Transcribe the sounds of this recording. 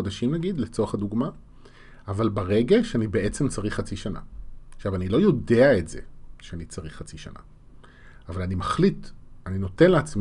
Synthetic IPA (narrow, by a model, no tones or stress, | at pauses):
odaʃimnaɡid̪let͡soʁaχaduɡma | avalbaʁe̞ɡaʃeanibee̞t͡se̞mt͡saʁiχːat͡siʃana̰χʃavanilo̞jo̞de̞aetz̥e̞̰ʃeanit͡saʁiχːat͡siʃa̰na̰ | avalanimaχlitanino̞te̞nleat͡sm